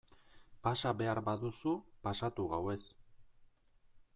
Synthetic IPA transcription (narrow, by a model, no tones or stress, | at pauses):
pasaβe̞aɾbaðusupasat̪uɣawe̞s